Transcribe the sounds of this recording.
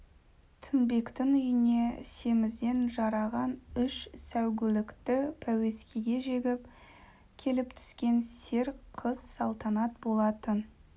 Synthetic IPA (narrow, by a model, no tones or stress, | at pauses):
t̪ʰɪnbe̞kt̪ɪŋʏjɪne̞se̞mɪzd̪e̞nʒɑɾɑʁɑnʏʃsæwɡʲɪlɪkt̪ɪpʰæwe̞skʲʰeɡʲe̞ʒe̞ɡʲɪp | kʲʰe̞lɪpt̪ʰʏ̥skʲe̞nse̞ɾqʰəz̥sɑlˠt̪ɑnɑt̪̚bo̞lˠɑt̪ən